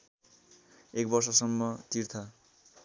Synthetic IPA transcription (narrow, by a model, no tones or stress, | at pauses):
ek̚bʌrsʌsʌmːʌt̪irt̪ʰʌ